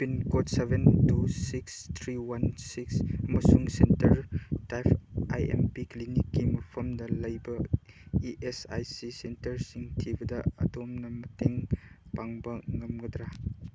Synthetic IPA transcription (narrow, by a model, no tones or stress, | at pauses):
pinkotsebʱentusikst̪ʰɾiwɐnsiksɐmɐsuŋsentɐɾtajpʰa̰jḛmpiklinikːimɐpʰɐmdɐlɐjbɐ | iʔesa̰jsisentɐɾsiŋtʰibɐdɐɐ̰domnɐmɐteŋpaŋbɐŋɐmɡɐd̪ɾa